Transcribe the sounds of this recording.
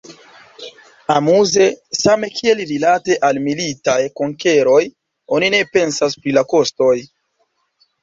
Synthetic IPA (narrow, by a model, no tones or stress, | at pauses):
amuze̞same̞kʰie̞lɾilate̞ʔalmilitajkoŋke̞ɾo̞j | o̞nine̞pe̞nsaspɾilako̞sto̞j